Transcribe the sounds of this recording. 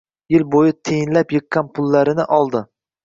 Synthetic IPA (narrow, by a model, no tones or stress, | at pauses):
jɪlbojɪt̪ʰejɪnlapjɨqːɑnpʰʊlːaɾɪnɪʔɒlˠd̪ɪ